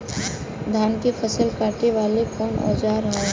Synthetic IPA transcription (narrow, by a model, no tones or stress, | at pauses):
d̪ʱaːnkepʰəsəlpaːɾʈiʋaːlekɔːnɔ̰ːd͡ʒaːɾɐɦa